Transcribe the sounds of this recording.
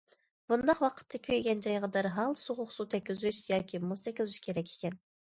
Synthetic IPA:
b̥und̪ɑqwɑqʰə̥t̪ʰːɑkʲʰøjɡʲɛnd͡ʒɑjʁɑd̪ɑɾɦɑlˠsoʁʊχsut̪ʰɛkʲyzyʃjɑːkʲʰimust̪ʰɛkʲizyʃkʲʰeɾɛkʲʰe̥kʲʰɛn

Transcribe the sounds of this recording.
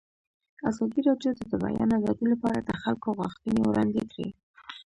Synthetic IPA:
azɑd̪iɾɑdjod̪əd̪əba̰jɑ̰naɡɑd̪ilapɑɾad̪əxalkoɣwaxt̪ənewɾɑnd̪et̪ɾḛ

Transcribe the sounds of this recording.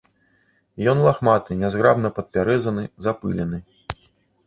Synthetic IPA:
jɔnlˠaxmat̪ɨnʲazɣɾabnɐpɐt̪̚pʲaɾɛzɐnɨzapɨ̰lʲɛnɨ

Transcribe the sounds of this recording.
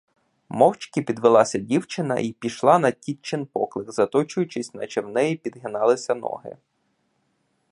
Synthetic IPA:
mɔwt͡ʃkɪpʲid̪ʋɪlˠɑsʲɐdʲiwt͡ʃɪnɐ̰ʔipʲiʃlˠɑnɐtʲit͡ʃːɪnpɔklˠɪxzɐt̪ɔt͡ʃʊjʊt͡ʃɪsʲnɐt͡ʃewnɛjipʲid̪ɦɪnɑlˠɪsʲɐnɔ̰ɦɪ̰

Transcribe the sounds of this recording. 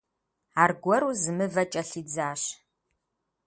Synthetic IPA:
aːrɡʷɔɾuzɨmɨvɐt͡ʃʼɐɬiːd͡zaːɕ

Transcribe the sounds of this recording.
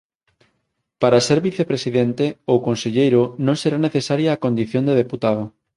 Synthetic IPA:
paɾaseɾβiθepɾesiðent̪eokonseʎejɾonõŋseɾaneθesaɾjaːkõnd̪iθjõnd̪eðeput̪aðo

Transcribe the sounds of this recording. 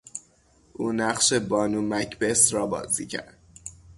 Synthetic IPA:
ʔuːnæʁʃe̞bɒːnuːmæcʰbe̞sɾɒːbɒ̰ːzḭːcʰæ̰ɾd̪̥̚

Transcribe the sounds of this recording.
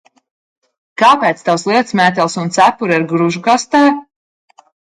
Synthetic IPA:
kaːpɛːt̪st̪awslˠiɛt̪smɛːt̪ɛlˠsunt̪sæpuɾiɾɡɾuʒukast̪aː

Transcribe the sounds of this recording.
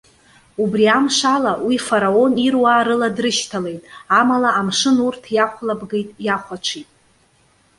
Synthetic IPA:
ubriamʂalawifaɾao̞nirwaːɾɨladrɨʃtʰale̞jtʼamalaamʂɨnurtʰjaχʷlabɡejtʼjaχʷat͡ʃʷʰitʼ

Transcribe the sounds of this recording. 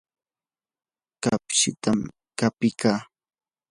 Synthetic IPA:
kapʃɪt̪am | kapɪkaː

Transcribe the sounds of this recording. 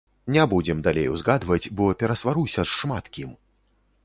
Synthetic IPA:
nʲɛbud͡zʲɛmd̪alʲḛjwzɣad̪vɐt͡sʲbɔpʲɛɾɐsvaɾusʲɐʂːmat̪kʲim

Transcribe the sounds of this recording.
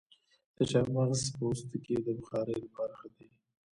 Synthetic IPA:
d̪̥əʃaɾmanzpost̪uked̪əbʊxɑɾelapɑɾaxəd̪e

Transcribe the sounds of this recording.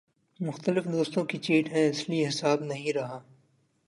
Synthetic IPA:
mʊxt̪əlɪfd̪oːst̪õkit͡ʃiːʈɦɛ̃ɪslieɦɪsaːbnɐɦĩɾɐɦaː

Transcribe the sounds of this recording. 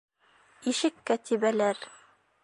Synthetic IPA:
iʃɘkːæt̪ʰiβælæɾ

